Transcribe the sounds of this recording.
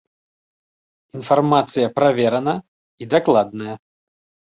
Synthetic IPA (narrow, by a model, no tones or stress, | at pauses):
infarmat̪sɨjɐpɾavʲɛɾɐnɐ | id̪aklˠad̪nɐjɐ